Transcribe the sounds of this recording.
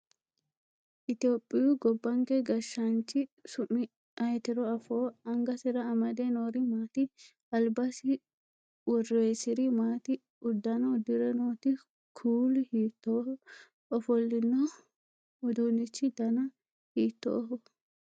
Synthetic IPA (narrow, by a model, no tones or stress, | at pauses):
ʔɪt̪ɪjoːpʼːɪjʊɡɔbːɐŋkɛɡɐʃːɐnt͡ʃːɪsʊmːɪ | ʔɐjt̪ɪɾɔɐfoːɐŋɡɐsɪɾɐːmɐd̪enoːɾɪmaːt̪ɪ | ɐlbɐsɪ | wɔrejsɪɾɪmaːt̪ɪ | ʊd̪ːɐnɐʊd̪ɪɾɛnoːt̪ɪ | kʰuːlɪhiːt̪ːo | ɔfɔlːɪnːɔ | ʊd̪unɪt͡ʃːɪd̪ɐnɐ | hiːt̪ːo̰ɦɔ